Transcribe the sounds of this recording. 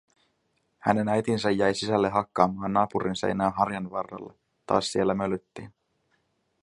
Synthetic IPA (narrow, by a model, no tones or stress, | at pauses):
hæ̰ne̞næjt̪insæjːæjsisælːeɦɑkːɑːmɑːnːɑːpuɾʔinsḛjnæːnɦɑrjɑnʋɑrːɑ̰lːḛ | t̪ːɑ̰ːssie̞lːæmølyt̪ːiːn